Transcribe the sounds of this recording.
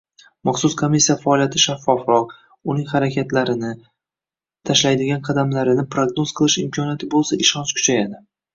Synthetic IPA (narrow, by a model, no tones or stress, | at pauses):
mɑχsʊskʰomisːijafaːlijat̪ʰɪʃafːɒfɾɒq | ʊnɪŋʲχaɾakʲʰat̪ʰlaɾɪnɪ | t̪ʰaʃlajd̪ɪɡʲanqʰɑd̪amlaɾɪnɪpɾoɡnoz̥qʰɨlˠɪʃɪmkʰʲɒnijat̪ʰɪbolˠsaʔɪʃɒnskʰʊ̥t͡ʃʰajad̪ɪ